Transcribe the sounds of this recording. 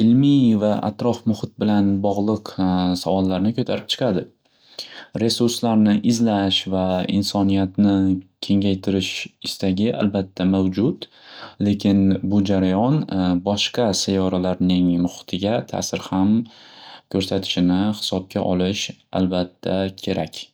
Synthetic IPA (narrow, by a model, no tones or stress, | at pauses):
ɪlmivaʔa̰t̪ɾɒfmʊhɪt̪̚bɪlanbɒʁlˠɨqsavɒlˠːaɾnɪkʰɵt̪ʰaɾɪp̚t͡ʃʰɨ̥qʰɑd̪ɪ | ɾe̞suɾslaɾnɪʔɪzlaʃvaɪnsɒnijat̪nɪkʲʰe̞ŋʲajt̪ʰɪɾɪʃɪst̪aɡʲɪʔa̰lbat̪ʰːamawd͡ʒʊt̪ | le̞kʲʰɪnbʊd͡ʒaɾajɒnbɒʃqɑsajɒɾalaɾnɪŋmʊχɪ̥t̪ʰɪɡʲat̪ʰa̰sɪɾham | kʲʰɵɾsat̪ʰɪ̥ʃɪnɪhɪ̥sɒb̚kʲaʔɒlɪʃa̰lbat̪ʰːakʲʰe̞ɾakʲ